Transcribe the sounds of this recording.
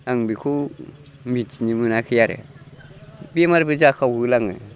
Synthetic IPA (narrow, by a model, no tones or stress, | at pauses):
aŋbikʰu | mit͡ʃnimɯnakʰɯjaɾḛ | bemaɾbɯd͡ʒakʰawhulaŋɯ̰